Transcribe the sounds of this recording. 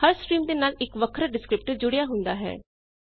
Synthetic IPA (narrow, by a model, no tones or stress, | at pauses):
həɾsʈɾiːmd̪eːnaːlɪkʋəkʰɾaɖɪskɾɪp̚ʈəd͡ʒʊɽejaːɦʊ̃nd̪aːɦɛ̰ː